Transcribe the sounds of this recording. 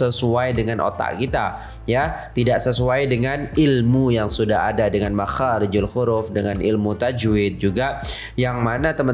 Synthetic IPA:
əsuajdəŋanʔo̰t̪a̰ʔkit̪a | jat̪idaʔsəsuajdəŋanilmujaŋsudaɦa̰dadəŋanmaxaɾɪd͡ʒalxʊɾʊfdəŋanʔḭlmut̪ad͡ʒɪt̪̚d͡ʒuɡa | jaŋmanat̪əmə

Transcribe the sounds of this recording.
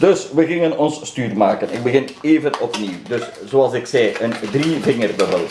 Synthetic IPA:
d̥ɵsʋəɣɪŋənɔnsːtyːrmaːkənɪɡ̚bəɣɪneːvənɔpniwdɵszoɑlˠsɪksɛjəndrivɪŋərbəbəlˠ

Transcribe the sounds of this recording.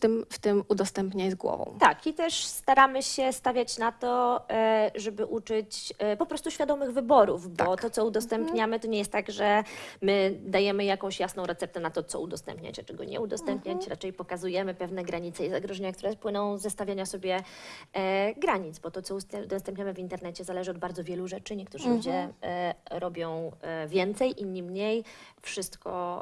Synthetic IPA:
t̪ɘmft̪ɘmud̪ɔst̪ɛmpɲazɡwɔ̰vɔ̰̃w̃t̪akit̪ɛʂst̪aɾamɘɕɛst̪avʲjat͡ɕnat̪ɔ | ʐɛbɘʔut͡ʂɘt͡ɕpɔpɾɔst̪uɕfʲjad̪ɔmɘɣvɘbɔɾuvbɔt̪ɔt̪sɔud̪ɔst̪ɛmpɲamɘt̪ɔɲɛjɛst̪t̪ːaɡʐɛmɘd̪ajɛmɘjakɔ̃w̃ɕjasnɔ̃wɾɛt̪sɛp̚t̪ɛnat̪ɔt̪sɔ̰ud̪ɔst̪ɛ̰mpɲa̰t͡ɕat͡ʂɛɡɔ̰ɲɛ̰ud̪ɔst̪ɛmpɲat͡ɕɾat͡ʂɛjpɔkazujɛmɘpɛvnɛɡɾaɲit̪sɛizaɡɾɔʐɛɲak̚t̪uɾɛpwɘnɔ̃w̃zːɛst̪avʲjaɲasɔbʲjɛ | ɡɾaɲid̪zbɔt̪ɔt̪sɔust̪ɛud̪ɔst̪ɛmpɲamɘvint̪ɛɾnɛt͡ɕɛzalɛʐɘɔd̪baɾd̪zɔvʲjɛluʐɛt͡ʂɘɲɛkt̪uʐɨlud͡ʑɛ | ɾɔbʲjɔ̃w̃vʲjɛnt̪sɛjʔiɲimɲejfʂɘst̪kɔ̰

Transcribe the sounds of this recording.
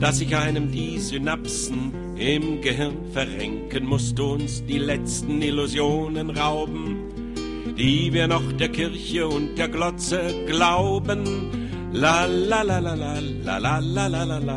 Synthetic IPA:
d̥asɪçʔaɪnəmdiːzynapsn̩ | ɪmɡəɦɪʁnfɛɐʁɛŋkənmʊstəʊnsd̥iːlɛt͡stn̩ɪluzjoːnənʁaʊbm̩ | d̥iːviːɐnɔχd̥eːɐkʰɪɐçəʊnt̚d̥eːɐɡlɔt͡səɡlaʊbən | lalalalala | la̰lalalalaa

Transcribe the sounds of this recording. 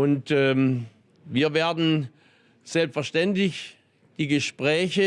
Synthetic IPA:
ʊntɛ | viːɐveːɐdn̩ | z̥ɛlpsfɛɐʃtɛntlɪç | d̥iːɡəʃpʁ̥ɛːçə

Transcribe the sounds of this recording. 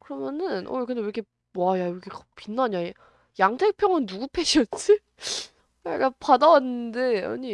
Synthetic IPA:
kɯɾʌmjʌnɯnʔo̰kɯndeɾʌkʰe | majajoɡekpinːaɲa | jaŋtʰe̞k̚pʰjʌŋɯnːuɡupʰe̞ɕʌt͡ɕ͈ʰi | maɭɡapʰadawanːɯnde̞a̰ɲi

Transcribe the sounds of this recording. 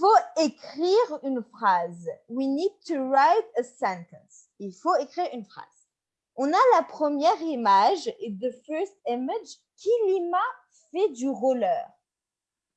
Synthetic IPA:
foekχiʁynfχazwinid̪̚t̪ʰuʁajt̪əsɛ̃nt̪ə̃ns | ilfoekχiʁynfχa̰z̥ | ɔ̃nalapχəmjɛʁimaʒeðəfɜst̪imad͡ʒ | kʲʰilima | fɛd̪yʁɔlœːʁ

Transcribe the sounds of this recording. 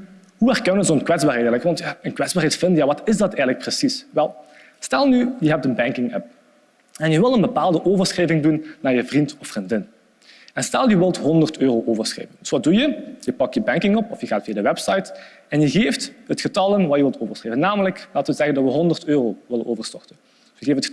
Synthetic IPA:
ɦuɛrkənənzonkwɛdzbaːrɦɛtɛləkʋɑntjaːənkwɛdzbarɦɛtfɪndəjaːʋɑtɪzdɑtɛjɣələk̚prəsisʋɛlˠ | stɛlˠnyjəɦɛp̚tənbɛŋkɪŋɛp̚ | ɛnjəʋɪlˠtənbəpaːlˠdəʔoːvərsxreːvɪŋdunːaːɹjəvrintɔfːrindɪn | ɛnstɛlˠjəʋɪlˠtɦɔndərtøːroʔoːvərsxḛːvəndɵsʋɑdujəjəpɑk̚jəbɛŋkɪŋɔpɔfjəɣaːtfijadəʋɛpsɑjt | ɛnjəɣeːftɦətxətɑlˠənʋaːjəʋɪlˠtʰoːvərsxreːvənːaːmələklaːtʋəzɛɣəndɑtʋəɦɔndərtøːroːʋɪlənʔoːvərstɔrtən | jəɣeːfətə

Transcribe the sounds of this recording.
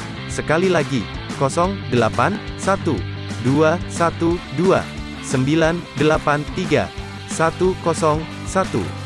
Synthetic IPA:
səkalilaɡi | kɔsɔŋdəlapansat̪u | duasat̪udua̰ | səmbilandəlapant̪iɡa̰ | sat̪ukɔsɔŋ | sat̪ṵ

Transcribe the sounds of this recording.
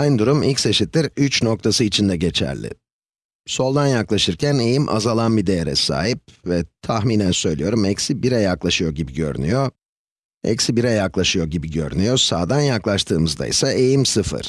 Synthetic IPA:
ajnd̪uɾumilʲcʲse̞ʃit̪ːiɾyt͡ʃno̞k̚t̪ʰasɯit͡ʃʰind̪ɛɟe̞t͡ʃʰæ̰ɾlʲɪ̰ | so̞lˠd̪anjaklˠaʃɯɾcʰæne̞jimʔa̰zalˠanbid̪e̞jeɾɛ̰sa̰ːɦip̚vɛt̪ʰaxmiːnænsø̞jlʲijo̞ɾumɛcsibiɾɛjaklˠaʃɯjo̞ɟibiɟø̞̰ɾy̰nyjo̞ | ɛ̰csibiɾɛjaklˠaʃɯjo̞ɟibiɟø̞̰ɾy̰nyjo̞saːd̪anjaklˠaʃt̪ʰɯːmɯzd̪a̰jḭsaʔe̞jimsɯfɯ̰ɾ̥

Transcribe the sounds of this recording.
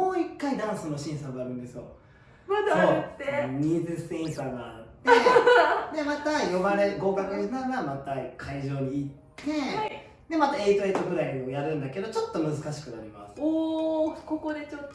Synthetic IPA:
oːikːaid̪ãɰ̃sɨno̞ɕĩɰ̃saɡaɾɯ̟̃nd̪e̞sɨjo̞̰ | mazasoːeɲizɨsĩɰ̃saɡa̰t̪ed̪e̞mat̪ajo̞baɾe̞ɡo̞ːkakaʑinaɾɯɡamat̪aikʰaiʑo̞ːɲ̟iːt̪ːe̞a | d̪e̞mat̪ae̞it̪o̞e̞t̪o̞ɸɯ̟ɾaiojaɾɯ̟̃nd̪ake̞d̪o̞t͡ɕo̞t̪ːo̞mɯ̟zɨkaɕi̥kɯ̟naɾʲima̰sɨ̥o | koko̞d̪e̞t͡ɕot̪ː

